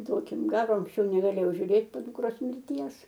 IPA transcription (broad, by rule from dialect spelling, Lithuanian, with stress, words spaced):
ˈduɔkʲɪm ˈɡɑːroː ɐŋksʲˈt͡ʃʲɛʊ nʲɛɡɐˈlʲeːjɛʊ ʒʲuːˈrʲeːt poː dʊkˈroːs mʲɪrʲˈtʲiɛs